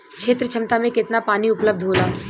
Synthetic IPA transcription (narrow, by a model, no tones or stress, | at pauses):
kʃeːt̪ɾət͡ʃʰɐmt̪amẽkɪt̪napaːniʊpləb̚d̪ʱɦoːlaː